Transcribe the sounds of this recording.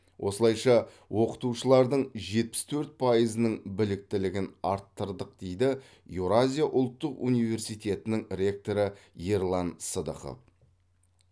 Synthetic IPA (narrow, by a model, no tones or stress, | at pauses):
wʔo̞səlˠɑjʃɑ | wo̞qə̥t̪uʃəlˠɑɾd̪əɴʒe̞t̪̚pɪ̥st̪ʰɵɾt̪̚pʰɑjəzənəɴbɪlɪk̚t̪ɪlɪɡʲɪnɑɾt̪ːəɾd̪əq̚d̪̥e̞jd̪ɪ | juɾazʲijaʔʊlˠt̪ːəqunijve̞ɾsijt̪ʰʲe̞t̪ɪnɪŋɾʲe̞k̚t̪oɾəjeɾlˠɑnsəd̪ə̰χo̰f